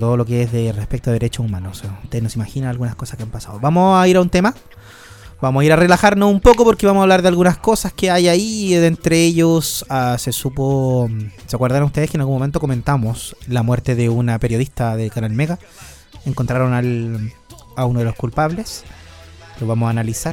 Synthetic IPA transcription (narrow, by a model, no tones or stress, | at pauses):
t̪oðolo̞k̬eezðerespekt̪oeeɾet͡ʃoumanoseaut̪eðnosimaxinanalɣunaskosḁhkeampasaðoβamoaiɾaunt̪ema | bamosaiɾarelaxaɾnosumpokopoɾkeβamosaβlaɾðealɣunasko̞saskeajaieðent̪ɾeeʝosasesupo | seakweɾðaɾanust̪eðekenalɣumoe̞nt̪o̞kome̞nt̪amoslamweɾt̪eðeunape̞ɾjo̞ð̞ist̪aðekanalmeɣa | eŋkont̪ɾaɾonal | aunoðelo̞hkulpaβle̞s | loβamosaːnalisaɾ